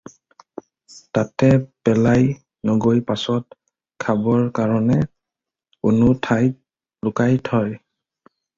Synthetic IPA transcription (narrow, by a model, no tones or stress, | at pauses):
tatɛpɛlaj | noɡojpasɔt̚ | kʰabɔɹkaɹɔnɛ | ʊnʊtʰaj | lʊkajtʰɔj